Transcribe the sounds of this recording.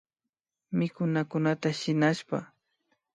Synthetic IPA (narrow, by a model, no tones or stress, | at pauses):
mɪkʊnakʊnat̪aʃɪnaʃpa̰